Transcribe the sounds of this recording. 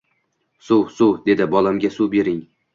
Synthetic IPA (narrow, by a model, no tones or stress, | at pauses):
sʊwsʊwd̪e̞d̪ɪbɒlamɡʲasuwbe̞ɾɪŋ